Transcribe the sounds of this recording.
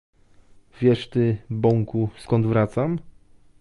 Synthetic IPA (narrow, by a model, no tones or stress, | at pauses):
vʲjɛʂt̪ɘbɔŋkuskɔnd̪vɾat̪sam